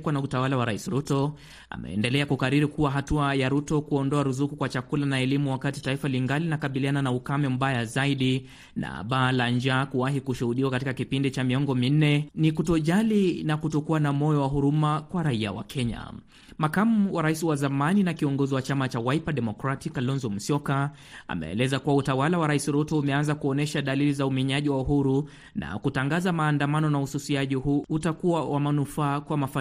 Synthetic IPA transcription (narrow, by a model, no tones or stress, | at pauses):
kwanautawalawaɾaisiɾutɔ | a̰mɛ̰ɛ̰ndɛlɛakukaɾiɾikuwaɦatuajaɾutɔkuɔndɔaɾuzukukwat͡ʃakulanaɛlimuwakatitaifaliŋɡalinakaɓiliananaukamɛm̩ɓajazaiɗi | na̰ɓaːland͡ʒakuwaɦikuʃuhuɗiwakatikakipindit͡ʃamiɔŋɡɔmin̩ɛnikutɔʄalinakutɔkuanamɔjɔwaɦuɾumakwaɾaia̰wa̰kʰɛɲa̰ | makamuwaɾaisiwazamaninakiɔŋɡɔziwat͡ʃamat͡ʃawaipaɗɛmɔkɾatikalɔnzɔm̩sɔka | a̰mɛ̰ɛ̰lɛzakuwautawalawaɾaisiɾɔtɔumɛanzakuɔnɛʃaɗalilizaumɛɲaʄiwauhuɾu | na̰kutaŋɡazamaːndamanɔnauhususiaʄiɦuutakuwawʔamanufaːkwamafa